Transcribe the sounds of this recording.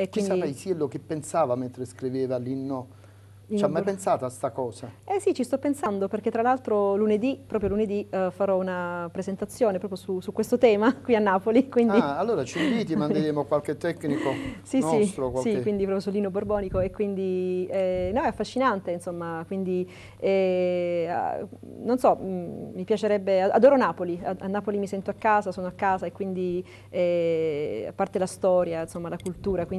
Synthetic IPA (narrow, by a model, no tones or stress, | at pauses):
ekwinsdaiɛjsielːok̟epːensaːvament̪ɾeskɾiveːvalinːo | it͡ʃːamːajpensaːt̪oast̪akɔːsaɛsit͡ʃːist̪ɔpːensand̪operk̟et̪ːɾalalt̪ɾoluned̪ipɾɔːpɾjoluned̪ifaɾɔunapɾezent̪at̪sːjoːnepɾɔːpɾjosusukwest̪ot̪ɛːmakwianːaːpolikwind̪ialːoːɾat͡ʃimviːt̪̬imand̪eɾeːmokwalk̟et̪ːɛkːnikosisiokwalsikwind̪ipɾɔpjosulːiːnoborbɔːnikoekːwind̪iɛnɔɛafːaʃːinant̪einsomːakwind̪i | ɛ | a̰ | nonsɔːipjat͡ʃeɾɛbːeaa̰d̪oːɾonaːpoliaanːaːpolimisɛnt̪oakːaːzasoːnoakːaːzaekːwind̪i | ɛ | a̰pːart̪elast̪ɔːɾjainsomːalakult̪uːɾakwin